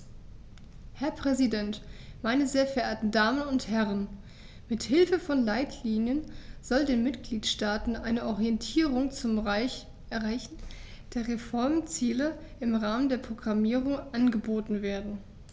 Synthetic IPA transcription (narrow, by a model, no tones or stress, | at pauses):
hɛɐpʁ̥ɛzidɛntmaɪnəzeːɐfɛɐʔeːɐtn̩daːmənʊnthɛʁ̞ən | mɪthɪlfəfɔnlaɪtʰliːnjənz̥ɔldeːnmɪtɡ̥liːtʃtaːtn̩ʔaɪnəʔɔʁiɛntʰiːʁʊŋt͡sʊm | ʁaɪçn̩d̥eːɐʁefɔɐmt͡siːləʔɪmʁaːməndeːɐpʁ̥oɡʁamiːʁʊŋʔanɡəboːtn̩veːɐdn̩